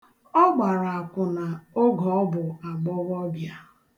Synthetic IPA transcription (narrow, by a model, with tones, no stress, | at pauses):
ɔ˦ɡ͡ba˨ɾa˨a˨kʷʊ˨na˨o˦ɡɔ˨ɔ˦bʊ˨a˨ɡ͡bɔ˦ɣɔ˦bja˦